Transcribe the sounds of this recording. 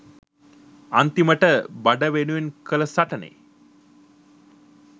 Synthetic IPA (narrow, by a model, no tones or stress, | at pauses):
ant̪iməʈəbaɖəʋenuʋenkələsaʈənḛ